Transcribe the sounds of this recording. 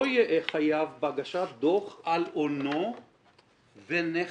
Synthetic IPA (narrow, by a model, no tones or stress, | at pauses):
ojeʔeχajavbaɡaʃat̪̚d̪oχalono | vene